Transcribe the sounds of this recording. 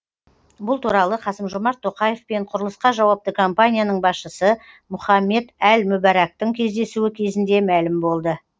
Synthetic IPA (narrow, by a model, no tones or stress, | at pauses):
bʊlˠt̪ʰuɾɑlˠəqʰɑsəmʒo̞mɑɾt̪ʰːo̞qɑje̞fpe̞ɴqʰʊɾəlˠəsqɑʒɑwɑp̚t̪əkʰompanʲijanəɴbɑsʃəsə | mʊχɑmːe̞d̪ælmʊbæɾɑk̚t̪əŋkʲʰe̞zd̪e̞suwɪkʲʰe̞zɪnd̪e̞mælɪmbo̞lˠd̪ə